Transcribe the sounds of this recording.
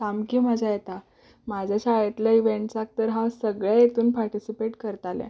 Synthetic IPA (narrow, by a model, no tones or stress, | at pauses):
kamkiːməd͡ʑʱajet̪a | mad͡ʑʱaɕajet̪laiʋeɳʈsak̚t̪əɾɦasəɡɭjajet̪uːnpaɾʈisipeʈkəɾt̪alɛ̰̃